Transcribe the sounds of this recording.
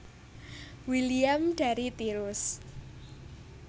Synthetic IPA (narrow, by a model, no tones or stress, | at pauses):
wiliamɖ̥a̤ɾit̪iɾʊs